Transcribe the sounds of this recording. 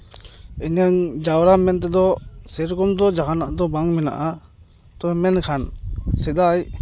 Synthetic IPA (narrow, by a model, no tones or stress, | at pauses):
ɛɲaŋd͡ʒawɾamɛnt̪̬ɛd̪ɔsɛɾkɔmd̪ɔd͡ʒaɦanaʔd̪ɔbaŋmɛna̰ʔa | t̪ɔɛmɛnkʰansɛd̪aj